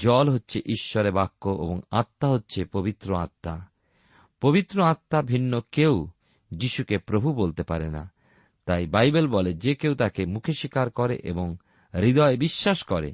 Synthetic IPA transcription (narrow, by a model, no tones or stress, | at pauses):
d͡ʑɔlɦotːɕʰeʔiʃːɔɾebakːoʔḛboŋat̪ːaɦotːɕʰepobit̪ːɾoat̪ːa | pobit̪ːɾoat̪ːabʱinːokew | d͡ʑiʃukepɾobʱubolt̪epaɾena̰ | t̪ajbajbelbɔled͡ʑekewt̪akemukʰeʃikaɾkɔɾḛʔḛboŋ | ɾid̪ɔebiʃːaʃkɔɾḛ